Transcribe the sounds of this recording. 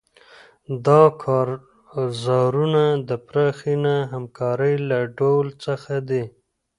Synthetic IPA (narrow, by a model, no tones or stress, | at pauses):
d̪ɑkʰɑɾ | zɑɾunad̪əpɾɑxinaɦamkɑɾəjlaɖowlt͡səxad̪e